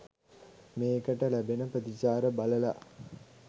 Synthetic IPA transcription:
meːkəʈəlæbenəprəd̪it͡ʃaːɾəbaləla̰

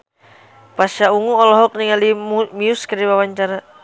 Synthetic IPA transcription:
pasauŋuɔlɔɦɔk̚niŋalimiuskaɾibawaɲt͡ʃaɾa

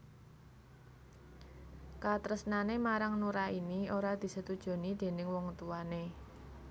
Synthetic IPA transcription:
kat̪ɾəsnanemaɾaŋnuɾainioɾad̪̥i̤sət̪ud̥ʒ̥o̤nid̪̥e̤nɪŋwɔŋt̪uane

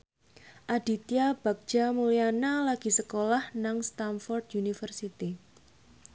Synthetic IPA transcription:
ʔad̪̥i̤t̪ijab̥a̤k̚d̥t͡ʃamulianalaɡ̥i̤səkolahnaŋst̪anfɔrd̪junifərsit̪i

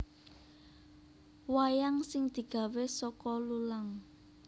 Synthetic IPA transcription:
wajaŋsɪŋd̪̥i̤ɡ̥ä̤wesɔkɔlulaŋ

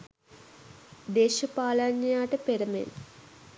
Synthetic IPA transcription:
d̪eːʃəpaːlaɲːɐjaːʈəpeɾəmḛn

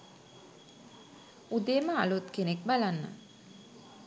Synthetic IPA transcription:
ud̪eːməa̰lut̪kenek̚balanːə̰

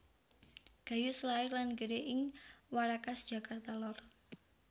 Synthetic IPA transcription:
ɡ̥a̤juslaɪrlanɡəɾeʔɪŋwaɾakasd̥ʒ̥a̤kʰart̪alɔr

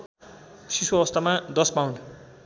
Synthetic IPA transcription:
sisuʌbʌst̪amad̪ʌspawn

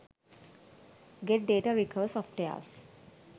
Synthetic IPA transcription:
ɡeʈ̚ɖeːʈaɾikʰəʋsɔfʈea̰s

